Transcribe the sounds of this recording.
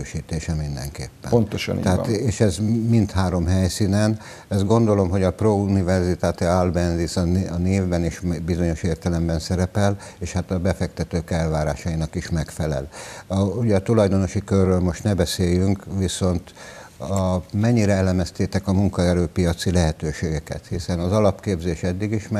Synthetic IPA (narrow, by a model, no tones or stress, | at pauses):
øːʃiːt̪eːʃɛmind̪ɛ̰ŋkḛːpːɛ̰nontt̪oʃɛɦat̪eːʃɛzmint̪haːɾo̞mɦɛjsiːnɛn | ɛzɡo̞nd̪o̞lo̞mɦo̞ɟɒprounivɛrzit̪aːt̪ialbɛnzisɒnɒneːvbɛniʃmbizo̞ɲo̞ʃeːrt̪ɛlɛmbɛnsɛɾɛpɛl | eːʃhat̪ɒbɛfɛkt̪ɛt̪øːkɛlvaːɾa̰ːʃɒinɒkiʃmɛkfɛlɛ̰l | uɟɛːt̪ulɒjd̪o̞no̞ʃikørːøːlmo̞ʃt̪nɛbɛseːjyŋkʋiso̞nt̪ | ɒmɛɲːiɾɛɛlɛmɛst̪eːt̪ɛkɒmuŋkɒɛɾøːpijɒt̪silɛɦɛt̪øːʃeːɡɛkɛ̰t̪hisɛnɒzɒlɒpkeːbzeːʃɛd̪ːiɡiʃmɛ